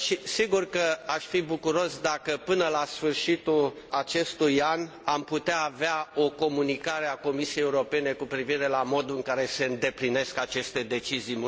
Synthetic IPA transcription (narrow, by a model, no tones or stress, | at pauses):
ʃisiɡurkəaʃfibukuɾo̞sd̪akəpɨnəlasfɨrʃit̪ul | at͡ʃe̞st̪ujan | amput̪eaːveao̞ko̞munikaɾe̞ako̞misijejeuɾo̞pe̞ne̞kupɾiviɾe̞lamo̞d̪uɨŋkaɾe̞se̞ɨnd̪e̞pline̞skat͡ʃe̞st̪e̞d̪e̞t͡ʃizijm